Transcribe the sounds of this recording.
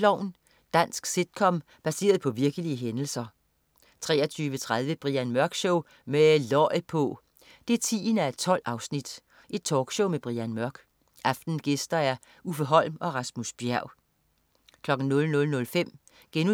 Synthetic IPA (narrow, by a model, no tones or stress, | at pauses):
lɒʊn | d̥æn̰sɡ̥sed̥̚kʰɒ̽m | b̥æse̝̰ːɐð̞̩ˠpʰɒ̽ʋiɐɡ̥əliəɦenl̩sɐ | t͡sʰʁɛ̰ːɐt͡sʰyːʋət͡sʰʁað̞ˠʋəb̥ʁiænmɶɐɡ̥ɕɔʊ̰ | melɒpʰɔ | d̥e̝æɐt͡sʰḭːnæe̝d̥̚t͡sʰɒ̽l̰ɑ̈ʊsnid̥ | ʔe̝d̥̚t͡sʰɒːɡ̥ɕɔʊmeb̥ʁiænmɶɐɡ̥ | ʔɑ̈fd̥n̩ɡ̥esd̥ɐæɐ | ufəɦɒ̽l̰mɒ̽ʁɑ̈smusb̥jæɐ̰ | kʰlɒ̽ɡ̥n̩nɔ̽lnɔ̽lnɔ̽lfem̰ | ɡ̥enu